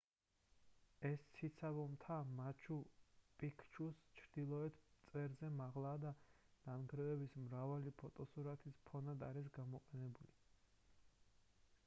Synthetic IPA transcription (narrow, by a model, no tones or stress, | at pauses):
ɛst̪sʰit̪sʰabɔmt̪ʰamat͡ʃʰupʼikʰt͡ʃʰust͡ʃʰɾd̪̥ilˠɔɛt̪ʰt̪sʼɛɾzɛmaʁlˠaːd̪an̥anɡɾɛvɛbismɾavalipʰɔt̪ʼɔsuɾat̪ʰispʰɔnad̪aɾis̬ɡamɔqʼɛnɛbuli